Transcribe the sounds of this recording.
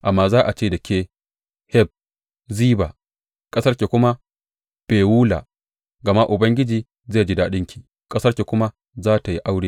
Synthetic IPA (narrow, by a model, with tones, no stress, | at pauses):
ʔa˨mːaː˦zaː˦ʔa˨t͡ʃeː˦˨dɐ˨kʲeː˦ | hɛ˦b̚ | ziː˦baː˨ | kʼɐ˦sɐ˦rkʲe˨kʷʊ˦ma˦ | b̥eː˨wuː˦la̰˨ | ɡɐ˨ma˦ʔʊ˨bɐ˦ŋɡʲɪ˦d͡ʒiː˦ | zeː˦˨d͡ʒi˦daː˨ɗɪ˦ŋkʲi̥ː˨ | kʼɐ˦sɐ˦rkʲe˨kʷʊ˦ma˦ | zaː˦ta˨ji˦ʔa˦wɽeː˦